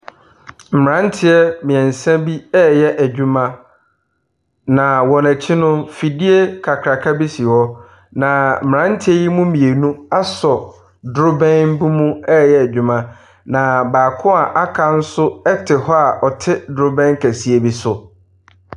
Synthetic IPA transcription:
m̩˨m˨ɾã˦n˦tʰɪ˦ɛ˦mĩ˨ɛ̃˨n̩˨sɛ̃˦bi˦ɛː˦jɛ˦ʔæ˨d͡ʑᶣu˦mã˦ | nã˨wɔ̃˨næ˨t͡ɕʰɪ˦nʊ̃˦fi˨di˦e˦kʰa˨kʰɾa˨kʰa˦bi˦si˨ɔ˦ | nã˨m̩˨m˨ã˦ntʰɪ˦ɛ˦ji˦mũ˦mĩ˨e˨nũ˦a˦sɔ˨ | dʊ˦bɛ̃˦n˦bu˦mũ˦ɛː˦jɛ˦æ˨d͡ʑᶣu˨mã˦ | nã˨baː˨kʰʊ̃˦a˨ʔa˦kʰa˨n̩˦sʊ˦ɛ˦tʰɪ˨hɔ˦a˨ʔɔ˨tʰɪ˦dʊ˦bɛ̃˦ŋ˦kʰæ˨si˦e˦bi˦sʊ˨

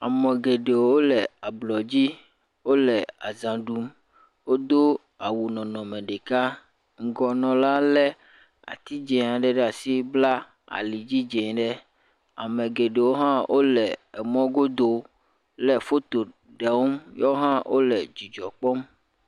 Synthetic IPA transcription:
a˨mẽ˨ɡe˨ɖe˨wo˦lɛ˨a˨blɔ˨d͡ʑi˦ | wo˦lɛ˨a˨zã˨ɖu˦m | wo˦d̪o˦ | a˨wu˨nɔ̃˨nɔ̃˨mẽ˨ɖe˨ka˦ | ŋ̩˨ɡɔ˨nɔ̃˨la˦lɛ˦ | a̰˨t̪i˦d͡ʒɛ˨a˨ɖɛ˦ɖɛ˦a˨si˦bla˦ | a̰˨li˨d͡ʑi˦d͡ʒɛ̃˨ɖɛ˦ | a̰˨mẽ˨ɡe˨ɖe˨wo˦ɦã˦wʔo˦lɛ˨ɛ˨mɔ̃˦ɡo˦d̪o˦ | lɛ˨fo˦t̪o˨ | ɖe˨wo˦mjɔ˦wo˦ɦã˦wʔo̰˦lɛ˨d͡ʒi˨d͡ʒɔ˨k͡pɔ˦m

